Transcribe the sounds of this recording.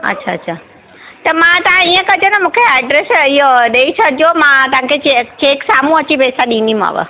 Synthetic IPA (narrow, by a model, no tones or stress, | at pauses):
ə̰tːʃʰaətːʃʰa | t̪əmãt̪ãijãkəd͡ʒonemũkʰeɛɖɾesioɗeit͡ʃʰəd͡ʒomãt̪ãket͡ʃet͡ʃeksamũət͡ʃipɛsaɗinima̰ʋə̰